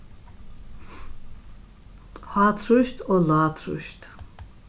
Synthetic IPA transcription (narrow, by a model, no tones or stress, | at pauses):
haːt̪ʰɾuʃt̪ʰɔlaːt̪ʰɾṵʃt̪ʰ